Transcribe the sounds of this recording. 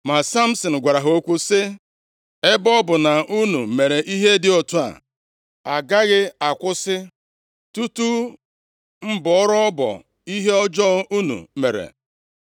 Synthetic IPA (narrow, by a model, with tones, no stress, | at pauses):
ma˨sa˦m̩˦sɔ˨n̩˨ɡʷa˨ɾa˨ɦo˦kʷu˦sɪ˦ | e˦bɔ˦bʊ˨na˨u˦nu˨me˨ɾe˨ʔi˦ɦe˦dɪ˨o˨tu˦a̰˨ | a˨ɡa˦ɣɪ˦a˨kʷʊ˦sɪ˦ | tu˦tu˦ | m̩˦bɔ˨ɔ˦ɾɔ˦ɔ˦bɔ̰˨ | i˦ɦe˦ɔ˦d͡ʒɔ˦u˦nṵ˨me˨ɾḛ˨